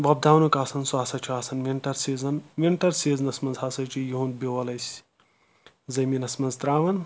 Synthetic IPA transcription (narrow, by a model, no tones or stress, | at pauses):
ʋɐb̚d̪ʱaːwnukaːsɐnsaːsɐt͡ʃʰuaːsɐnmiɳʈɐɾsiːzɐnmiɳʈɐɾsiːznɐsmɐnzɦaːsɐt͡ʃʰijiɦũnd̪̚beʋɐlɐjsʲ | zɐminɐsmɐnzt̪ɾaːʋɐn